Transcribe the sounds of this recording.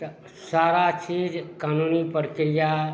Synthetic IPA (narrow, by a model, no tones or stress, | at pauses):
t̪ | saːɾat͡ʃiːd͡ʒkaːnunipəɾkɪɾija